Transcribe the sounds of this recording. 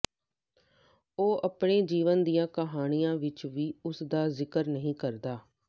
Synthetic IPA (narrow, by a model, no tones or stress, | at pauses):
oːʔəpɳeːd͡ʒiːʋənd̪ijãːkəɦaːñijãːʋɪt͡ʃʋiːʊsd̪aːzɪkəɾnəɦĩːkəɾd̪aː